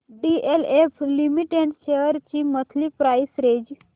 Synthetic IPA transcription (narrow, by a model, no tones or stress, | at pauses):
ɖielepʰlimiʈeɳʃeəɾt͡ʃimət̪ʰlipɾaisɾed͡ʒ